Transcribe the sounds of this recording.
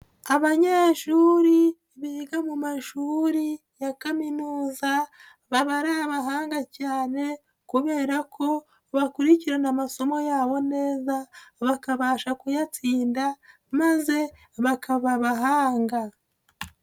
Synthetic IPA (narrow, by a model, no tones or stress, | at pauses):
aβaɲeːʃuːɾi | βiɡamumaʃuːɾi | jakaminuːza | βaβaɾaaβaɦaːŋɡacaːne̞ | kuβe̞ːɾakʰo̞ | βakuɾiciɾenamaso̞mo̞jaːβo̞ne̞ːzaβakaβaːʃakujat͡siːnda | maze̞ | βakaβaβaɦaːŋɡa